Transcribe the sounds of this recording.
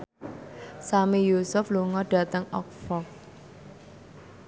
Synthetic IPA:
samijusʊfluŋɔɖ̥ä̤t̪əŋɔk̚fɔk̚

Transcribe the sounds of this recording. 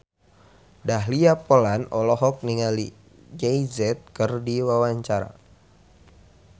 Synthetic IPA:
daɦliapolanɔlɔɦɔk̚niŋali | d͡ʒɛizɛt̪̚kɨrdiwawaɲt͡ʃaɾa̰

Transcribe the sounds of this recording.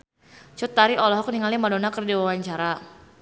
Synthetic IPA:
t͡ʃut̪ːaɾiʔɔlɔɦɔk̚niŋalimadonakərdiwawaɲt͡ʃaɾa

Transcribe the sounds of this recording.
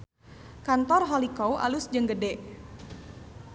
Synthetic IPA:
kant̪ɔrɦɔlikɔwʔa̰lusd͡ʒəŋɡədɛʔ

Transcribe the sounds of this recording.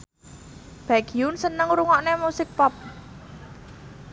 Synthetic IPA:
b̥aɡ̥iunsənəŋɾuŋɔʔnemusɪk̚pɔp̚

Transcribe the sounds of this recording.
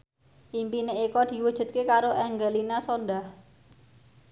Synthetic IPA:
ʔimpineikɔd̪̥i̤wud̥ʒ̥ṳt̪̚kekaɾoʔɛŋɡəlinasɔndah

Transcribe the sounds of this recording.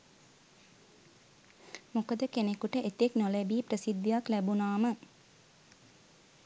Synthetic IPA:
mokəd̪əkenekuʈəʔet̪eknolebiːprəsid̪ːijaklæbunaːmə

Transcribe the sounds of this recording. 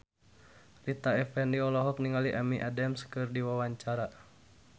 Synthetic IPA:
rit̪aɛfɛndiɔlɔɦɔk̚niŋaliʔamiʔadɛmskɨrdiwawaɲt͡ʃaɾa

